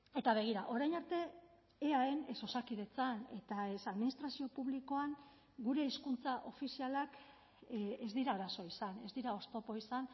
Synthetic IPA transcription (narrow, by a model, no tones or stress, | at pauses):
e̞t̪aβ̞e̞ɣ̞iɾaʔo̞ɾajnaɾt̪e̞ː | aene̞so̞sakið̞e̞t͡sane̞t̪ae̞saðminist̪ɾasio̞puβliko̞aŋ | ɡuɾe̞iskunt͡saʔo̞fisialak | ezd̪iɾaːɾaso̞isanezd̪iɾao̞st̪o̞po̞isan